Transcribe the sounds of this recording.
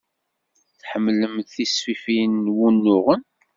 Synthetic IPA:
θħəmːləmθisfifinːwunːʊʁən

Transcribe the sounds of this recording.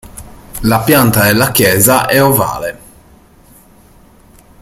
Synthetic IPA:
lapjant̪aelːakjɛːzaʔɛova̰ːle

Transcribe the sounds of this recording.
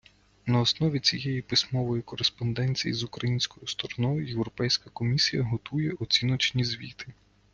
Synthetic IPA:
nɐɔsnɔʋʲit͡sʲijɛjipɪsʲmɔʋɔjikɔɾespɔnd̪ɛnʲt͡sʲḭjḭzukɾɐjinʲsʲkɔjʊst̪ɔɾɔnɔjʊje̞wɾɔpɛjsʲkɐkɔmʲisʲijɐɦɔt̪ujɛɔt͡sʲinɔt͡ʃnʲizʲʋʲḭt̪ɪ

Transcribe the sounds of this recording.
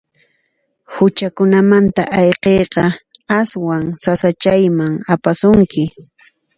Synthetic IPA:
hʊt͡ʃakʊnamant̪aʔɑjqejqɑaswaŋsasat͡ʃajmaŋapasʊŋkɪ

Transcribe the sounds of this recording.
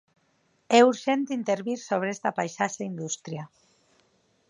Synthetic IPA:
euɾʒent̪int̪eɾβiɾsoβ̞ɾeest̪apajʃaʃaind̪ust̪ɾia

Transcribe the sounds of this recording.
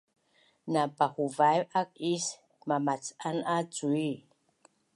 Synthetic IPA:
nabahuvajak̚is | mamat͡sanad͡zui

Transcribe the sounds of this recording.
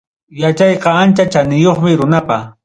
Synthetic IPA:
jat͡ʃɑjqɑant͡ʃat͡ʃanɪjoχmɪɾʊnapa

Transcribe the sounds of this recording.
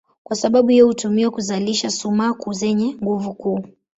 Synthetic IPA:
kwasaɓaɓuhiɔhutumiwɛkuzaliʃasumaːkuzɛɲɛŋɡuvukuː

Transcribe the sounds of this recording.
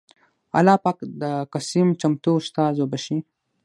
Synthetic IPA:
a̰laːpakd̪əkasimt͡ʃɐmt̪uːʃt̪aːzobɐʃi

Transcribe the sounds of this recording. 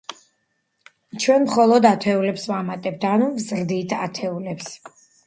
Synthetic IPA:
t͡ʃʰwɛnmχɔlˠɔd̪at̪ʰɛulɛpsvamat̪ʼɛb̥̚t̪ʰanuvzɾd̪it̪ʰat̪ʰɛulɛps

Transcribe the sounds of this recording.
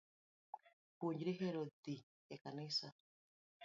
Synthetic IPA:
puɲd͡ʒɾiɦeɾod̪i | ekanɪsa

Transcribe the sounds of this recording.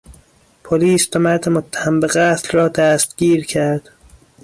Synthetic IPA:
pʰoliːsbæmæɾd̪emot̪ʰːæ̥hæmbeɣæːt̪lɾɒːd̪æːst̪ɡ̥iːɾcʰæɾd̪̥

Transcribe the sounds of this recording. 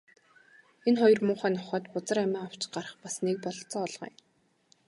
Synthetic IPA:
enχɔjɞ̆rmʊːχæːnɔχœːt̪pʊt͡sə̆ræmʲæːaw̥t͡ɕɢarə̆χpasnek̚pɔɮt͡sɔːɮʁœ̰ː

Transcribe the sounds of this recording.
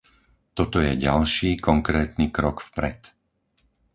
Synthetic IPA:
t̪ɔt̪ɔjɛɟalʃiːkɔŋkɾɛːt̪niːkɾɔkfpɾɛ̰t̪

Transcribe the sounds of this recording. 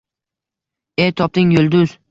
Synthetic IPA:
et̪ʰɒp̚t̪ɪŋjolˠd̪ʊz̥

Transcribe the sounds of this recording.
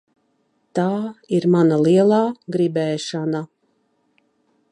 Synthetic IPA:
t̪aːiɾmanalˠiɛlˠaːɡɾibɛːʃana

